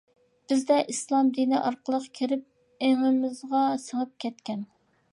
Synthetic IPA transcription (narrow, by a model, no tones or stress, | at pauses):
b̥ɪzd̪ɛʔislˠɑmd̪iniʔɑɾqəlˠəqkʲʰiɾɪp̚ | eŋɪmɪzʁɑsəŋəp̚kʲʰɛt̪kʲɛn